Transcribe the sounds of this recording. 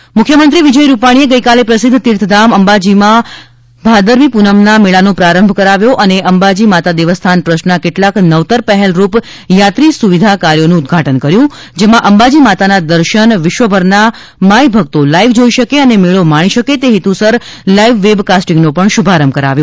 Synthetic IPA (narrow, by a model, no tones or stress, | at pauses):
mʊkʰːjəmənt̪ɾiʋɪd͡ʒəjɾupaɽ̃ieɡəjkalepɾəsɪd̪ʱːt̪iɾt̪ʰd̪aməmbad͡ʒimã | bʱad̪əɾʋipunəmnameɭanõpɾaɾəmbʱkəɾaʋjoʔəneʔəmbad͡ʒimat̪ad̪eʋəst̪ʰanpɾəʃnakeʈlaknəʋt̪əɾpɛɦɛlɾup | jat̪ɾisuʋid̪ʱakaɾjonũːd̪̚ɡʱaʈənkəɾjũ | d͡ʒemãʔəmbad͡ʒimat̪anad̪əɾʃənʋɪʃʋəbʱəɾna | majbʱəɡ̚t̪olaiʋd͡ʒoiʃəkeənemeɭomaɽ̃iʃəket̪eɦet̪ũsəɾlaiʋːebkasʈĩŋɡnũpəɳʃubʱaɾəmbʱkəɾa̰ʋjo